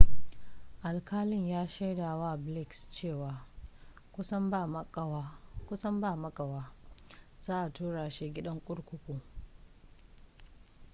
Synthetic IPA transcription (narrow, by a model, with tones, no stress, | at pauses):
ʔa˨lkʰaː˦lɪ˦ɲjaː˦ʃa˦jdaː˨waː˦˨blɪ˦˨kst͡ʃeː˦˨waː˨ | kʷʊ˦sɐ˦mb | kʷʊ˦sɐ˦mbaː˦˨mɐ˦kʼɐ˨waː˦ | z̥aː˦ʔa˨tuː˦ɽaː˨ʃeː˦ɡʲɪ˦ɗɐ˦ŋkʷʼʊ˦ɽkʷʊ˦kʷuː˨